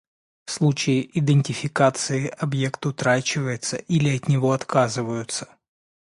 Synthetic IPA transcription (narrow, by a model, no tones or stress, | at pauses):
fslˠut͡ɕɪjɪʔɪd̪ɨnʲtʲɪfʲɪkat̪sɨɪʔɐbje̞kt̪ʊt̪ɾat͡ɕɪvəjɪt̪səʔilʲɪɐt̪nʲɪvo̞ɐt̪kʰazɨvəjʊt̪sə̥